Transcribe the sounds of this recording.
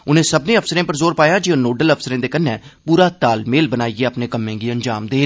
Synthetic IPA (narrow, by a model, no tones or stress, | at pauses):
ʊnẽːsəbnẽːəpʰsəɾẽːpəɾzoːɾpaːjaːd͡ʒinoːɖələpʰsəɾẽːd̪eːkənːɛ̃ːpuːɾaːt̪aːlmeːlbənaːiɛːəpnẽːkəmːẽːɡiːəɲd͡ʒaːmd̪eː